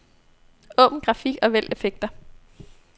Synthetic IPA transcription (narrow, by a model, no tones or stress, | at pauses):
ɔ̽ːb̥n̩ɡ̥ʁɑ̈fiɡ̥ɒ̽ʋel̰e̝feɡ̥̚d̥ɐ